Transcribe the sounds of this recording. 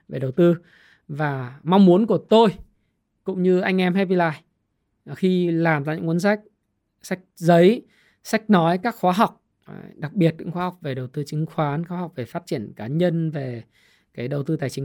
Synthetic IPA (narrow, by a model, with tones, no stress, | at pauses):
ve˨˩ɗə˨˩wt̪ɨ˧ | vaː˨˩ma˧wŋ͡mmu˨˦ənku˧˩ət̪o˧j | kʊ̰˧˥ŋ͡mɲɨ˧ʔa˧jŋ̟ʔɛ˧mɦa˧vi˧laː˧˩j | xi˧laː˨˩mt̪a̰ː˧˨ɲɨ̰˧˥ŋku˧˦ə˦ns̬a˦˥jk̟̚ | sa˦˥jk̟̚zə˨˦j | sa˦˥jk̟̚nɔ˨˦jkaː˦˥k̚xwaː˨˦ɦa˨˩wk͡p̚ | ɗa˨˩k̚ɓi˨˩ət̚ɲɨ̰˧˥ŋxwaː˨˦ha˨˩k͡p̚ve˨˩ɗə˨˩wt̪ɨ˧t͡ɕï˨˦ŋ̟xwaː˨˦nxwaː˨˦ha˨˩wk͡p̚ve˨˩faː˦˥t̚t͡ɕi˧˩ənkaː˨˦ɲə˧nve˨˩ | kaː˨˦jɗə˨˩wt̪ɨ˧t̪aː˨˩jt͡ɕï˨˦ŋ